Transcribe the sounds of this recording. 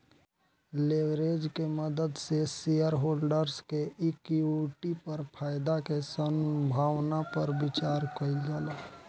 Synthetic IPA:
leʋɾed͡ʒkeməd̪əd̪sesijəɾɦoːlɖəɾskeɪkuʈipəɾpʰaːjd̪akesəmbʱaːwnapəɾbɪt͡ʃaːɾkəild͡ʒaːlaː

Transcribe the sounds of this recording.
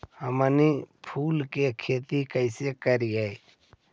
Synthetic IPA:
həmənipʰuːlkekʰeːt̪ikəɪsekəɾiai

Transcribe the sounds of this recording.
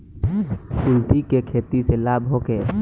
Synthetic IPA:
kʊlʈ̪ikekʰeːt̪iselaːbʱɦokeː

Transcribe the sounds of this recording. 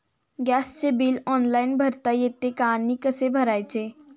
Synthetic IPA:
ɡɛst͡ʃebilɔnlaɪnbʱəɾt̪əjet̪ekanikəsebʱəɾajt͡ʃʰe

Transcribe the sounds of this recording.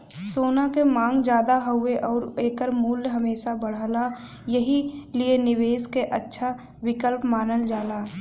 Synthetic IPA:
soːnakemãːŋɡd͡ʒjaːd̪aɦəɦʊeʔɔːɾeːkəɾmuːlːɦəmeːsabəɽ̤əla | jəɦilienɪweːskeʔətːʃʰa | wɪkəlpmaːnəld͡ʒaːlaː

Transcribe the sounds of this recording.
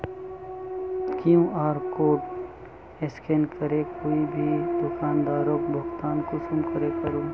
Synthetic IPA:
kjũaːɾkoːʈ | eskenkəɾekoːibʱid̪ʊkaːnd̪aːɾoːkbʱʊkt̪aːnkʊsumkəɾekəɾõː

